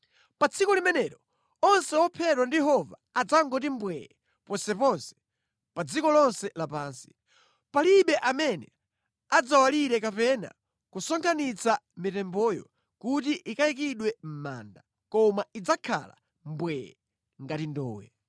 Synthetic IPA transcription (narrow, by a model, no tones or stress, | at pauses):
pat͡sʰikɔlimɛnɛɾɔ | ɔnsɛɔpʰɛtwandijɛɦɔvaːd͡zaŋɡɔt̬imbwɛjɛ | pɔnsɛpɔnsɛ̥ | pad͡zikɔlɔnsɛlapaːnsi̥ | paliɓɛʔamɛnɛ | ad͡zawaliɾɛkapɛna̰ | kusɔŋkʰanit͡samitɛmbɔjɔ̰ | kutiʔikaik̬iɗwɛm̩ma̰ːnda | kɔmaid͡zakʰa̰la̰ | mbwɛjɛ | ŋɡatindɔ̰ːwɛ̰